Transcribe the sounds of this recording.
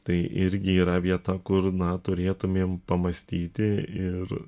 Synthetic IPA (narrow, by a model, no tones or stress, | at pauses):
t̪ɐɪʔɪɾʲɡʲɪiːɾɐʋʲiɛt̪ɐkʊɾnɐt̪ʊɾʲeːt̪ʊmʲeːmpɐmɐsʲt̪ʲiːt̪ʲɪɪɾ